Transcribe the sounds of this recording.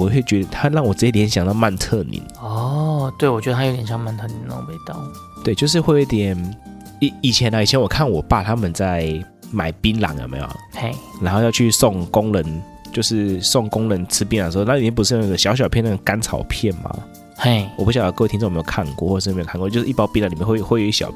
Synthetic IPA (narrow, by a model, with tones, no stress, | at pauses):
wɔ˨we˥˩t͡ɕɥɛ˧˥d̪ə˧t̪ʰa˦˥ɻɑ˥˩ŋwɔ˨˩ʈ͡ʂɻ̩˧˥t͡ɕɛ˥˩jnɕjɑ˨˩ŋt̪ɑ˥˧ʊma˥˧nt̪ʰə˥˨nḭ˨˦nɔ˥˩t̪we˥˩ɪwɔ˨˩t͡ɕɥɛ˧˦də˧a˥jt̪jɛ˨˩jɑ˥˧ŋma˥˧nt̪ʰɤ˥˩ni˧n˧˨˩pʰe˥˩˧t̪ɑ̰˥˨ʊ | t̪we˥˩ɪt͡ɕjo˥˧ʊʂ̬ɻ̩˥˧we˥˩o˨˦˥t̪jɛ˨˩n | i˨˦i˨˩t͡ɕʰjɛ˨˧˥na˧˨i˨˩t͡ɕʰjɛ˧˦nwɔ˨˩kʰa˥˩nwɔ˨˩pa˨˩t̪ʰa˦˥mə˨nt͡sa˥˩ɪ | ma˨˩˦ɪpi˦˥nlɑ̰˨˧˥ŋjo̰˨˩ma̰˧˥jo̰˨˩e˥˩ɪna˧˥nxo˥˧ʊjɑ˥˧ʊt͡ɕʰy˥˧sɔ˥˩ŋkʊ˦ŋlə˧˦n | t͡ɕjo˥˧ʊʂɻ̩˥˩sɔ˥˩ŋkʊ˦ŋlə˧˦nt͡s̩ʰ˥p̬i˥n˨˧˩sna˥˧˨jɛ˥˩pu˧ʂɻ̩˥˧˥na˥˩ɡə˨˩ɕjɑ˧˥ʊɕ̬ɑ˨ʊpʰjɛ˥˧na˥˩ɡka˦nt͡sʰɑ̰˨˩ʊpʰjɛ˥˩nma̰˨˩ | e˥˩wpu˥ɕjɑ˨ŋ˥˩k̪ʰi˥˧˨jkʰa˥˧nkwɔ̰˥˨wɔ˥˩˨e˧˥˨a˥˨˧kwɔ˧t͡ɕo˥˧ʊʂ̩˥˨˧pɑ˥ʊpi˥nla˧˦˨i˨˩jɛ˥˧xwe˥˩xwjo˨˦i˥ə˩ɕjɑ̰˨˩